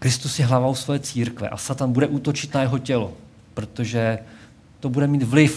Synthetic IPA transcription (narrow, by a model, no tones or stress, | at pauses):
kɾɪst̪usjɛɦlavowsvojɛːt͡siːɾkvɛ̰ʔa̰sat̪anbudɛʔuːt̪o̞t͡ʃɪt̪najɛɦo̞cɛlo | pɾo̞t̪o̞ʒɛ | t̪o̞budɛmiːt̪vlɪf